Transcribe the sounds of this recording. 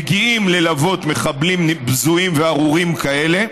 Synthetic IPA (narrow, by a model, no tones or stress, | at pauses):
ɡiimle̞lavo̞t̪me̞χablimbzuimveaʁuʁimkaele̞